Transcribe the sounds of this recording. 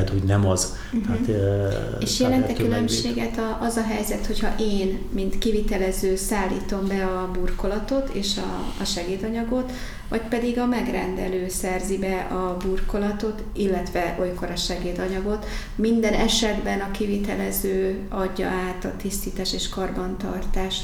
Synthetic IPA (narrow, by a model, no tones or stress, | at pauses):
ɛt̪hoɟnɛmɒz | hat̪ | eːʃjɛlɛnt̪ɛkylømʃeːɡɛt̪ɒʔɒzɒɦɛjzɛt̪ho̞chɒʔeːnmint̪kivit̪ɛlɛzøːsaːlːḭːt̪o̞mbɛɒbuːrko̞lɒt̪o̞t̪ʰeːʃɒ̰ːʃɛɡeːd̪ɒɲɒɡo̞t̪ | ʋɒcpɛd̪iɡɒmɛɡrɛ̰nd̪ɛ̰løːsɛrzibɛʔɒburko̞lɒt̪o̞t̪ | ilːɛt̪ʋɛʔo̞jko̞ɾɒʃɛɡeːd̪ɒɲɒɡo̞t̪ | mind̪ɛnɛʃɛd̪bɛnɒkivit̪ɛlɛzøː | ɒɟːɒ̰ʔaːt̪ɒt̪ist̪iːt̪aːʃeːʃkɒrbɒnt̪ɒ̰rt̪aːʃ